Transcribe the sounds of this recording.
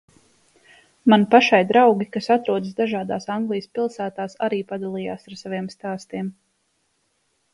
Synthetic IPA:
manpaʃajd̪ɾawɡʲikasat̪ɾuɔd̪s̬d̪aʒaːd̪aːsaŋɡlˠijəspilˠsæːt̪aːsa̰ɾiːpad̪alˠija̰ːsaɾsaviɛmst̪aːst̪iɛm

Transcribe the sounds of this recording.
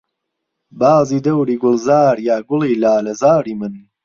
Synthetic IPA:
baːziːd̪ɐwɾiːɡʊlˠzaːɾjaːɡʊliːlaːlɐzaːɾiːmɨn

